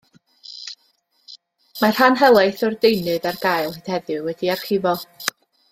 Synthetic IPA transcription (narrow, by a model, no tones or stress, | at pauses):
mar̥hanɦɛlˠajθɔrdejnɨðarɡajlˠhɨd̥hɛðɨwɛdiarχɪvɔ